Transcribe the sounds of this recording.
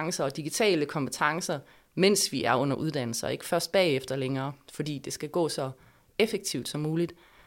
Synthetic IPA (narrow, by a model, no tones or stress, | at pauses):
ŋsɐɒ̽d̥iɡ̥it͡sʰɛ̰ːləkʰɒ̽mpʰət͡sʰɑ̈ŋsɐ | men̰sʋiʔæɐɔ̽n̰ɐʔuð̞ˠd̥æn̰l̩sɐe̝ɡ̥ə̥fɶɐsd̥̚b̥ɛ̰ːefd̥ɐleŋɐːfɒ̽d̥ḭːd̥e̝sɡ̥æɡ̥ɔ̰̽ːsɒ̽ | efeɡ̥̚t͡sʰiʊ̰d̥sɒ̽mːuːlid̥